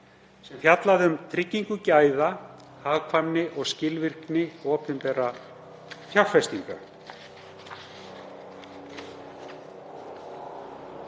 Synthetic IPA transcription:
sɛmθjat̪laðʏmt̪ʰɾɪcːiŋkʏcaːjðahaːɣkʰvamnɪʔɔɣscɪlvɪr̥knɪɔːpʏmpɛɾːa | θjafɛst̪iŋka̰

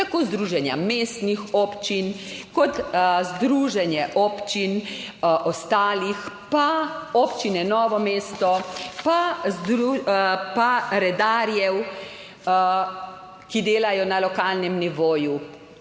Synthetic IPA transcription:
t̪akoːzd̪ɾuʒɛnja̰meːst̪nixɔpt͡ʃinkɔt̪zd̪ɾuːʒɛnjɛʔɔpt͡ʃin | ʔɔst̪aːlix | paɔːpt͡ʃinɛnɔːʋɔmeːst̪ɔpazd̪upaɾɛd̪aːɾjɛw | kid̪eːlajɔnalɔkaːlnɛmniʋoːju

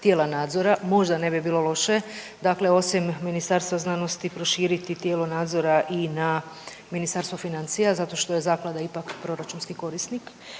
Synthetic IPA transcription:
t̪jeːlˠanaːd̪zo̞ɾamo̞ʒd̪ane̞bibiːlˠo̞lo̞ʃe̞d̪akle̞o̞simːinist̪aɾst̪ʋaznano̞st̪ipɾo̞ʃiːɾit̪it̪jeːlonaːd̪zo̞ɾaʔina | minist̪aɾst̪ʋofinant̪sijazat̪o̞ʃt̪o̞je̞zaːklˠad̪aipakpɾo̞ɾat͡ʃunskiko̞ɾisnik

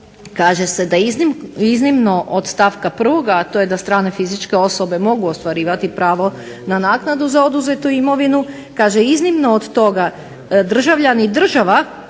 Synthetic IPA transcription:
kaːʒese̞d̪ainiznimno̞ʔod̪st̪afkapr̩ʋo̞ɡaːt̪o̞jed̪ast̪ɾaːne̞fizit͡ʃke̞o̞so̞be̞mo̞ɡuost̪ʋaɾiːʋat̪ipɾaːʋo̞ | nanaːknad̪uzao̞d̪uzet̪uimo̞ʋinu | kaːʒeiznimno̞od̪t̪o̞ɡa | d̪r̩ʒaʋʎanid̪r̩ʒaʋa

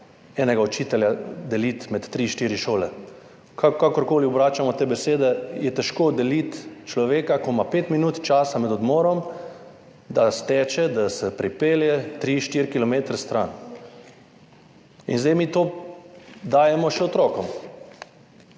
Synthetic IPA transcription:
ɛːnɛɡaɔt͡ʃiːt̪ɛljad̪ɛlit̪mɛt̪ːɾiʃt̪iɾiʃoːlɛ | kakakɔɾkoːliɔbɾaːt͡ʃamɔt̪eːbɛseːd̪ɛjɛt̪ɛʃkoːd̪ɛlit̪t͡ʃlɔʋeːkakɔmapeːt̪minuːt̪t͡ʃaːsamɛd̪ɔd̪mɔːɾɔm | d̪ast̪ɛːt͡ʃɛd̪asɛpɾipeːljɛt̪ɾiʃt̪iɾkilɔmeːt̪ɾɛst̪ɾan | ḭnzd̪ɛjmiːt̪oː | d̪aːjɛmɔʃɛɔt̪ɾɔːkɔm

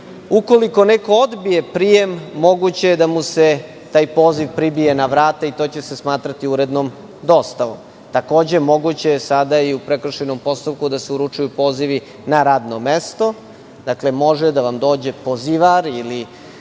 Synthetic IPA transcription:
uko̞liko̞neko̞od̪bije̞pɾije̞mːo̞ɡut͡ɕe̞jed̪amuse̞ | t̪aːjpo̞ːziʋpɾibije̞naʋɾaːt̪ait̪o̞ːt͡ɕe̞se̞smaːt̪ɾat̪iuɾe̞d̪nom | d̪o̞st̪aʋo̰m | t̪ako̞ːd͡ʑe̞mo̞ɡut͡ɕejesad̪aiupɾekr̩ʃeno̞mpo̞st̪upkud̪aseuɾut͡ʂujupo̞ːziʋi | naɾaːd̪no̞mest̪o̞ | d̪̥akle̞mo̞ʒed̪aʋamd̪o̞ːd͡ʑe̞poziʋaɾili

